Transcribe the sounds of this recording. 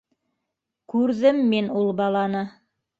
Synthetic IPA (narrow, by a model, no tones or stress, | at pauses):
kʉɾðɘmːinulˠbɑlˠɑnɤ